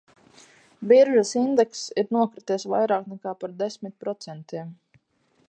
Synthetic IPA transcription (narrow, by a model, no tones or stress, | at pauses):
biɾʒasind̪ɛksiɾnuɔkɾit̪ɛjsva̰jɾaːknɛkaːpaɾd̪esʲmit̪̚pɾɔt̪sɛnt̪iɛm